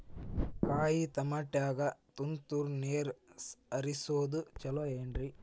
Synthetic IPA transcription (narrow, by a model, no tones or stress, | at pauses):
kaːjit̪ɐmɐʈjaːɡɐt̪unt̪uɾneːɾsɐɾisoːd̪ut͡ʃɐloeːɳɖɾi